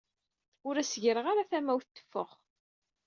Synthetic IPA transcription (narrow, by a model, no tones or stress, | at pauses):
ʊɾæsəʝɾəʁaɾaθæmæwθt̪ːə̥fːə̰χ